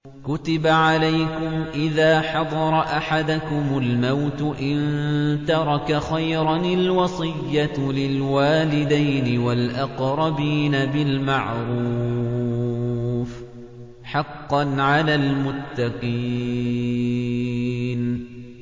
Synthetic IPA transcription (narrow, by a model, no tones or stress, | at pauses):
kʊt̪ɪbaʕalajkʊmʔɪðaːħɑd̪ˤɑɾˤɑʔaħad̪ʊkʊmʊlmawt̪ʊʔɪnt̪ɑɾˤɑkaxajɾˤɑnalwɑsˤɨjːalɪlwaːlɪd̪ajnɪwalʔɑqɾˤɑbiːnabɪlmaʕɾuː | f | ħɑqːɑnʕalaːlmʊt̪ːɑqiː | n